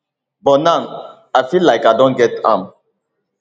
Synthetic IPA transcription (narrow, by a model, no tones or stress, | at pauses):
bɔnãn | afilːaɪkadɔ̃nɡɛtã̰m